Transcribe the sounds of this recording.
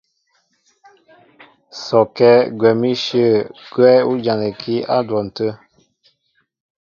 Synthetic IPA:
sɔ˨kɛ˦ɡwɛ˨mi˦ʃə˦˨ɡ̥wɛ˦u˦d͡ʒã˨nə˨kʰi˦a˦dwɔ˨n̩˨tə˦

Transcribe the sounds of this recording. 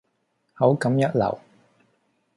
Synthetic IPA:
hɐ˨˥wkɐ˨˥mjɐ˥t̚lɐ̰˨˩w

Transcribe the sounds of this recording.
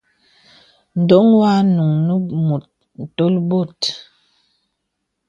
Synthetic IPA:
n̩˨do˦ŋwa˦nu˨ŋnə˦mu˨t̚ | n̩˨to˦lbo˦˨t

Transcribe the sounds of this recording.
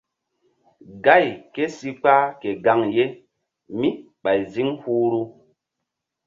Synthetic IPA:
ɡa˦˨jke˦si˦k͡pa˦ke˨ɡa˦ŋje˦ | mi˦ | ɓa˨jzi˦ŋhuː˦ɾu˦

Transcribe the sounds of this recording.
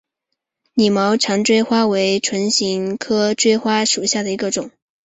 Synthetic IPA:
ni˨˩mɑ˧˥ʊʈ͡ʂʰɑ˧˥ŋʈ͡ʂwe˥ɪxwa˥we˧˥ɪʈ͡ʂʰwə˧˥nɕi˧˥ŋkʰɤ˥ʈ͡ʂwe˥ɪxwa˥ʂu˨˩ɕja˥˩d̪ə˩i˧˥ɡə˧ʈ͡ʂʊ˨˩˦ŋ

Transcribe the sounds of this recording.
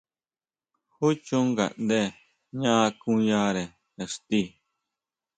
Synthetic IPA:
hu˦t͡ʃũ˧ŋɡa̰˨ʔnd̪e˦˧ | ɲã˦˧kũ˦jã˦˧ɾe˨ | e˨ʂt̪i˦˧˨

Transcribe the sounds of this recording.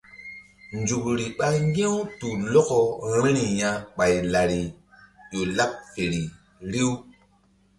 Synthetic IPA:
nd͡ʒu˨kɾi˨ɓa˦ŋɡẽ˦wtu˨lo˦ko˨ɾĩ˦ɾi˨jã˦ɓa˨jla˨ɾi˨ | jo˨la˦p̚fe˨ɾi˨ | ɾi˦w

